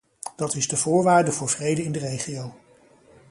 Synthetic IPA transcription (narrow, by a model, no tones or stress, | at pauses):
d̥ɑtɪzdəvʊːɹʋaːɹdəvʊːɹvrejdəɪndərejχijow